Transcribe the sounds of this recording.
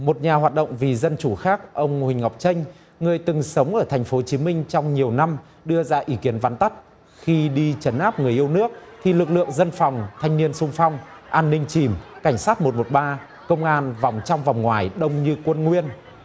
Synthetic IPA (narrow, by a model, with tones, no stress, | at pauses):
mo˨˩t̚ɲaː˨˩ɦwaː˨˩t̚ɗə̰˧˨wŋ͡mvi˨˩zə˧nt͡ɕu˧˩xaː˦˥k̚ʔə˧wŋ͡mhï˨˩ŋ̟ha˨˩wk͡p̚t͡ɕə˧ŋ̟ | ŋɨ˨˩əjt̪ɨ˨˩ŋsə˨˦wŋ͡mʔəː˧˩t̪ʰɛ˨˩ŋ̟fo˨˦t͡ɕi˨˦mï˧ŋ̟t͡ɕɔ˧wŋ͡mɲi˨˩əwna˧m | ɗɨ˧əzaː˧ʔi˨˦ki˨˦ənva˨˦nt̪a˦˥t̚ | xi˧ɗi˧t͡ɕə˨˦nʔaː˦˥p̚ŋɨ˨˩əjʔi˧wnɨ˦˥ək̚t̪ʰi˨˩lɨ˨˩k̚lɨ̰˧˨əŋzə˧nfɔ˨˩wŋ͡mt̪ʰa˧jŋ̟ni˧ənsʊ˧ŋ͡mfɔ˧wŋ͡m | ʔaː˧nːï˧ŋ̟t͡ɕi˧˩mka˧˩jŋ̟saː˦˥t̚mo˨˩t̚mo˨˩t̚ɓaː˧ | kə˧wŋ͡mʔaː˧nvɔ˨˩wŋ͡mt͡ɕɔ˧wŋ͡mvɔ˨˩wŋ͡mŋwaː˨˩jɗə˧wŋ͡mɲɨ˧kwə˧nŋwi˧ən